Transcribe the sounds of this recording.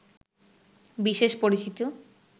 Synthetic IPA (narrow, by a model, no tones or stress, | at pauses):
biʃeʃpoɾit͡ɕit̪o